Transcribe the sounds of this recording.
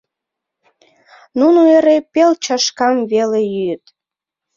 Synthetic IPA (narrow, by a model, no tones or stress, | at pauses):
nunoeɾepelt͡ɕɑʃkɑmβelejyjət̪